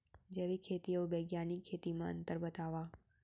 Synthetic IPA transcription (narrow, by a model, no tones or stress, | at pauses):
d͡ʒeʋikʰet̪iobeɡjanikʰet̪imãə̰nt̪əɾbət̪aʋa